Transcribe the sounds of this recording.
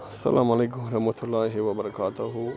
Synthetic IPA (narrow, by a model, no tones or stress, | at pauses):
sɐ̰lʔa̰ːmɐleːkʊmɐɾɐmɐt̪ʰulːaːɦʋɐbɐɾɐkaːt̪ʊɦu